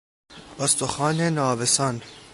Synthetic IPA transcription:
ost̪oxɑːnenɒːbesɒn

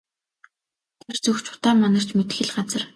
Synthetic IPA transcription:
t̪ʰært͡sɵxt͡ɕʊ̥t̪aːmanə̆r̥t͡ɕmet̪xɘ̆ɮɢat͡sə̆r

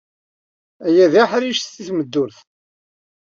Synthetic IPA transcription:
æjæðiħɾiʃθθiθməd̪ːʊɾθ

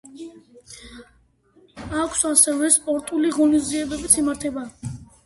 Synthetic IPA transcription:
akʰsasɛvɛspʼɔɾt̪ʼuliʁɔnizd̪iɛbɛbit̪sʰimaɾt̪ʰɛba

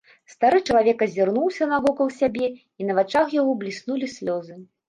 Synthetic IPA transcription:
st̪aɾɨt͡ʂɐlˠavʲɛkɐzʲirnuwsʲɐnɐvɔkɐw̪ˠsʲabʲɛ | inɐvat͡ʂaxjaɣɔblʲisnulʲisʲlʲɔzɨ

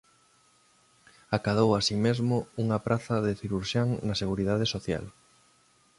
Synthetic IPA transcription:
akað̞owasimezmouŋɐpɾʔaθɐðeθiɾuɾʃaŋnɐseɣuɾiðaðesoθja̰l

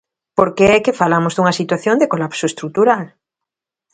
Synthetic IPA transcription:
poɾkeɛkefalamozðuŋɐsit̪waθjond̪ekolapsoest̪ɾut̪uɾal

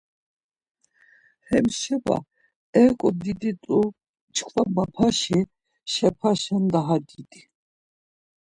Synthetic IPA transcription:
hɛmʃɛba̰ | ɛkʼɔd̪id̪it̪ʼu | t͡ʃʰʼkʰvamapʰaʃi | ʃɛpʰaʃand̪aɦad̪id̪i

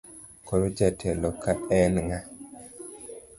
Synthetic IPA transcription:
koɾod͡ʒatʰɛlɔkaɛnŋa

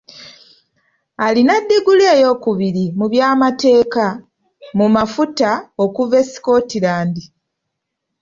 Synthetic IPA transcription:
alinadːeɡuleːjo̞ːkuβiɾimuβjaːmate̞ːka | mumafutao̞kuve̞si̥ko̞ːtilaːndi

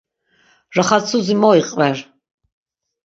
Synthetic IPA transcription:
raχat͡sʰuzimɔiqʼvɛr

